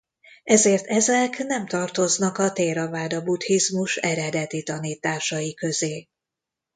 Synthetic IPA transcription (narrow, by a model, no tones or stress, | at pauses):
ɛzeːrt̪ʰɛzɛknɛmt̪ɒrt̪o̞znɒkɒt̪eːɾɒvaːd̪ɒbut̪hizmuʃɛɾɛd̪ɛt̪it̪ɒniːt̪aːʃɒjikø̞zeː